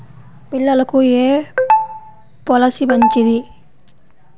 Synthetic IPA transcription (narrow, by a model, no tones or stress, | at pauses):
bilalɔkuje | pɔlasibaɲt͡ʃiɾi